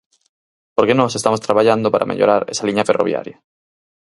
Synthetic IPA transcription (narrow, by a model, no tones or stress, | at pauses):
poɾkenõsest̪amost̪ɾaβaʎand̪opaɾʔa̰mʔḛʎo̰ɾaɾesaliɲaferoβja̰ɾja